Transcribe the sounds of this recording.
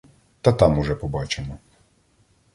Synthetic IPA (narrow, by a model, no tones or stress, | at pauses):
t̪ɐt̪ɑmuʒɛpɔbɑt͡ʃemɔ